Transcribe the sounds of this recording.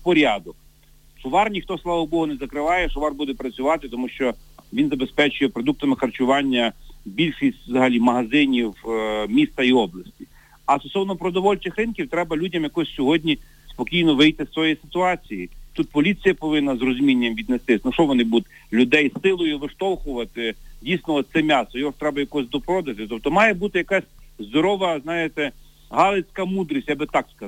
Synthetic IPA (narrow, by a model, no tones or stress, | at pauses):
pɔɾʲɑd̪ʊk | sʊʋɑrnʲixt̪ɔslˠɑʋɔbɔɦʊnɛzɐkɾɪʋɑjɛsʊʋɑrbud̪ɛpɾɐt͡sʲʊʋɑt̪ɪt̪ɔmuʃt͡ʃɔʋʲinzɐbespɛt͡ʃʊjɛpɾɔd̪uk̚t̪ɐmɪxɐrt͡ʃʊʋɑnʲːɐbʲilʲʃisʲtʲʋzɐɦɐlʲimɐɦɐzɪnʲiwmʲist̪ɐiɔblˠɐsʲtʲi | ɐst̪ɔsɔwnɔpɾɔd̪ɔʋɔlʲt͡ʃɪxɾɪnkʲiwt̪ɾɛbɐlʲudʲɐmjɐkɔsʲsʲɔɦɔdʲnʲi | spɔkʲijnɔʋɪjt̪ɪsʋɔjisɪ̥t̪ʊɑt͡sʲijit̪ut̪̚pɔlʲit͡sʲijɐpɔʋɪnːɐzrɔzʊmʲinʲːɐmʋʲid̪nest̪ɪsʲnuʃɔʋɔnɪbut̪ʲ | lʲʊd̪ɛjsɪlˠɔjʊʋɪʃt̪ɔlˠxʊʋɐt̪ɪdʲijsnɔɔt̪sɛmʲɑst̪ɔjɔɦɔʃt̪ɾɛbɐjɐkɔɔsʲd̪ɔpɾɔd̪ɐt̪ɪt̪ɔp̚t̪ɔmɑjɛbut̪ɪjɐkasʲzd̪ɔɾɔʋɐznɑjet̪ɛ | ɦɑlˠet͡sʲkɐmud̪ɾisʲtʲjabɪt̪ɑkskɐ